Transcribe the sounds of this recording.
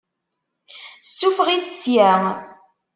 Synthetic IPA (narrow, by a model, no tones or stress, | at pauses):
sːufʁit͡sːsjæʁ